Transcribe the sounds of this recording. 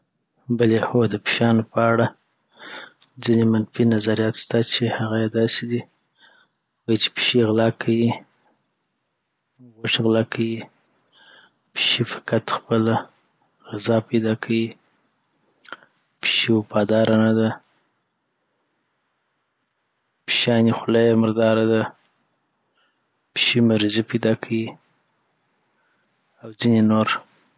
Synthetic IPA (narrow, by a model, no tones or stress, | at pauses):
bəlexod̪əpʃɑnopəaɽa | d͡zinemanfinazaɾijɑt̪st̪at͡ʃehaɣajed̪ɑsed̪i | wajit͡ʃe̥pʃeɣlɑkʰawi | ɣoʃɣlɑkʰawi | pʃefɪ̥kat̪xpəla | ɣɪzɑpajd̪ɑkʰawi | pʃiwapɑd̪ɑɾʔanad̪a | pʃɑnixʊlajaməɾd̪ɑɾad̪a | pʃimaɾizipajd̪ɑkʰawi | awd͡zinenoɾ